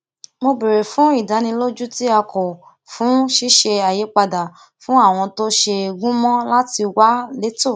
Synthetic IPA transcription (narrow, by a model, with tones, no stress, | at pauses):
mo˧be˨ɾe˨fũ˨˦i˦˨da˨˦nĩ˧lo˦d͡ʒu˦ti˦a˧kɔ˨ | fũ˨˦ʃi˦ʃe˧a˨je˨˦k͡pa˧da˨ | fũ˨˦a˦˨w̃ɔ̃˧to˦ʃe˧ɡũ˦mɔ̃˦la˦ti˧wa˦le˦to˦˨